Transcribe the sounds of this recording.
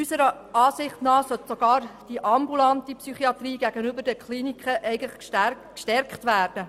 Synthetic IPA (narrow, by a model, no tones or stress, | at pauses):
ysəɾə | ɑːsɪχtnɑːsœtsoɡ̥ɑːɾd̥iʔɑmbulɑntipsyχiɑt̪riːɡæɡ̥ənʏbəɾd̥əkχliːnikχəʔɛɪɡ̩ləχkʃtæ | kʃtɛɾkχtʋæːrd̥ə